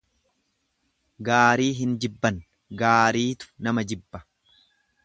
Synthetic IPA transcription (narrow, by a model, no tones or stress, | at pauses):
ɡaːɾiːɦɪnd͡ʒɪbːɐn | ɡaːɾiːt̪ʊ̥nɐmɐd͡ʒɪbːɐ̥